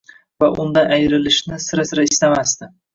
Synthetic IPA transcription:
vaʔʊnd̪aʔajɾɪlɪʃnɪsɪɾasɪɾaɪst̪amast̪ɪ

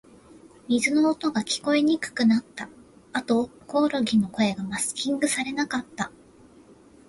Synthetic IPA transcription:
mʲizɨno̞ːt̪o̞ɡakʲi̥ko̞eɲ̟ikɯ̟̥kɯ̟nat̪ːa | at̪o̞ko̞ːɾo̞ɡʲino̞ko̞e̞ɡamasɨ̥kʲĩŋɡɯ̟saɾe̞nakat̪ːa

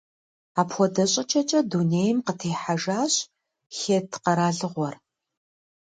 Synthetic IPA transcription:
aːpʰxʷɔdɐɕʼɐt͡ʃʼɐt͡ʃʼɐduneːjɪmqətʰeːħaʒaːɕʼ | xeːtʰqɐɾaːɮɨʁʷɔr

